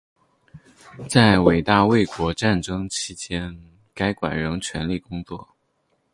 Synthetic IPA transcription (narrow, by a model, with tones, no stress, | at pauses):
t͡sa˥˩ɪwe˨˩ɪt̪a˥˧we˥˩ɪkwɔ˧˥ʈ͡ʂa˥˩nʈ͡ʂɤ˥ŋt͡ɕʰi˥t͡ɕjɛ˥n | ka˥ɪkwa̰˨˩nɻɤ˧˥ŋt͡ɕʰɥɛ˧˥nli˥˩kʊ˥ŋt͡swɔ˥˩